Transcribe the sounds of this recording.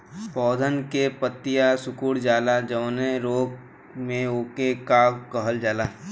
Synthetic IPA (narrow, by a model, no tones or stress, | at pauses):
pɔːd̪ʱənkepət̪ːɪjasʊkuːɽd͡ʒaːlad͡ʒəʋneɾoːɡ | mẽoːkekakəɦəld͡ʒaːlaː